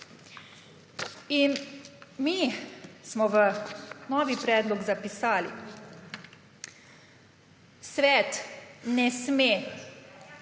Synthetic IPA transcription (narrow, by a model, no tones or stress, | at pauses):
inmismɔʋənɔːʋipɾɛːd̪lɔɡzapisaːlḭ | sʋɛːt̪nɛsme